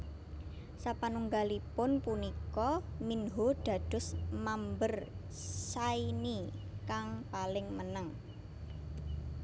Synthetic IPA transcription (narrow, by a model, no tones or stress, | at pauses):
sapanuŋɡalipʊnpunikɔminɦoɖ̪̥a̤d̪̥ʊ̤smambər | sainikaŋpalɪŋmənəŋ